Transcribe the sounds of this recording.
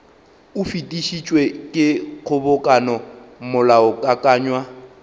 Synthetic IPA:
ʊfitʼiʃit͡ʃʼwekʼɪq͡χʰʊbʊkʼanɔmʊlaʊkʼakʼaːɲwa

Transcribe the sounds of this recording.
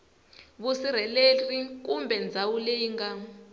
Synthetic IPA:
βusiɾɛletʼrik̬ʼumbʱɛnd͡zʱawuleiŋɡa

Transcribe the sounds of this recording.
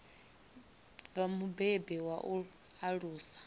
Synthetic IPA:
vamubɛbɛwaʔu | aɺuːsḁ

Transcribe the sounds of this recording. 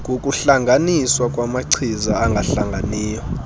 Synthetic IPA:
ɡʼʱokʼuɬaŋɡʱaniswakʼwamaǀʰizaaŋɡʱaɬaŋɡʱaniːjɔ

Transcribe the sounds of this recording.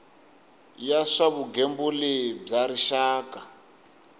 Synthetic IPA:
jaʂaβuɡembuleb͡ʐaɾiʃaːka

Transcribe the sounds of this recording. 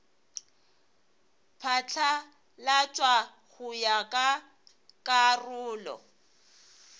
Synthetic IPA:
pʰat͡ɬʰa | lat͡ʃʼwa | ɣʊjakʼa | kʼarʊːlɔ̰

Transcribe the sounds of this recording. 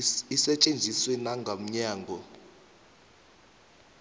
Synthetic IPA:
isɛt͡ʃʼend͡zʱiswɛnaŋɡʱam̩ɲaːŋɡʱɔ

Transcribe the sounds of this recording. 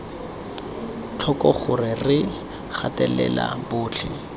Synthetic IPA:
t͡ɬʰɔkɔχʊrɪrɪ | χatɛlɛ̰la̰bʊːt͡ɬʰɛ

